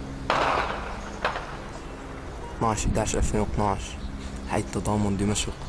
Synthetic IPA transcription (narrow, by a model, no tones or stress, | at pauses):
t̪ˤnɑʕʃd̪aʕʃʔafneːnwɪt̪ˤnɑʕʃ | ħa̰jːt̪ːɑd̪ˤɑːmʊnd̪ɪmaʃq